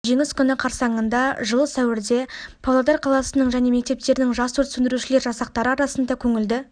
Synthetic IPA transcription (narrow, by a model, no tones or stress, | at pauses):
ʒe̞ŋɪskʲʰʏnɪqʰɑɾsɑɴənd̪ɑʒəlˠəsæwɪɾd̪e̞pʰɑwlˠɑd̪ɑɾqʰɑlˠɑsənəɴʒæne̞me̞k̚t̪e̞p̚t̪e̞ɾɪnɪŋʒɑst̪ʰɵɾt̪sʏnd̪ɪɾuʃɪle̞ɾʒɑsɑq̚t̪ɑɾəɑɾɑsənd̪ɑkʲʰɵŋɪld̪ɪ